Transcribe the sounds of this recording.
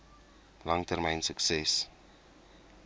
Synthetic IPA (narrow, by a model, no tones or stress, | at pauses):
lɐŋtərmɛjnsəksɛs